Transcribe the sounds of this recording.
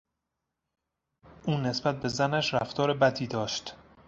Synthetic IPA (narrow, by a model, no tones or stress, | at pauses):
ʔuːne̞sbæt̪̚be̞zænæʃɾæft̪ʰɒːɾebæd̪iːd̪ɒːʃt̪